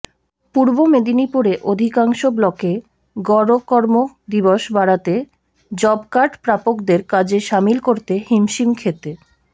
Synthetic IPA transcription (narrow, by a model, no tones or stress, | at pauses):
puɾbomed̪inipuɾeʔod̪ʱikaŋʃoblɔke | ɡɔɾokɔɾmo | d̪iboʃbaɽat̪e | d͡ʑɔbkaɾɖpɾapokd̪eɾkad͡ʑeʃamilkoɾt̪ehimʃimkʰet̪e